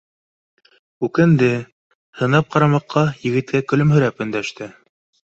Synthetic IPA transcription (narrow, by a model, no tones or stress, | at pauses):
ʉkɘ̆nd̪ɘ | hɤ̆nɑp̚qɑɾɑmɑqʰːɑjɘ̆ɡɘ̆t̪̚kækɵ̆lɵmhɵ̆ɾæpɵ̆nd̪æʃt̪ɘ